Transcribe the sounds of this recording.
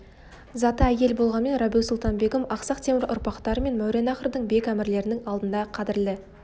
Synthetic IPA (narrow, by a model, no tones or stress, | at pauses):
zɑt̪əæjʲe̞lbo̞lˠʁɑnme̞nɾɑbij̪ˠsʊlˠt̪ɑnbe̞ɡʲɪmɑqsɑqt̪ʰe̞mɪɾʔʊ̰ɾpɑqt̪ɑɾəme̞nmæwɾe̞nɑχəɾd̪əɴbe̞kʲæmɪɾle̞ɾɪnɪŋɑlˠd̪ənd̪ɑqʰɑd̪ɪɾlɪ